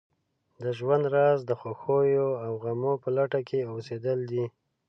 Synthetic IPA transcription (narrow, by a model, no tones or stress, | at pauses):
d̪əʒwand̪ɾɑzd̪əxoxojoawɣamopəlaʈakʰeosed̪əld̪i